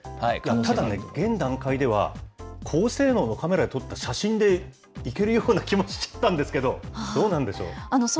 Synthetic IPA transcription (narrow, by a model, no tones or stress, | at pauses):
aat̪ad̪ane̞ɡẽ̞nd̪ãŋkaid̪e̞β̞a̰kʰoːse̞ːno̞ːno̞kame̞ɾad̪et̪o̞t̪ːaɕaɕĩnd̪e̞ | ike̞ɾɯ̟joːnakʲimo̞ɕi̥t͡ɕḁt̪ːãnd̪esɨ̥ke̞d̪oso̞ːnãnd̪e̞ɕo̞̰ːanos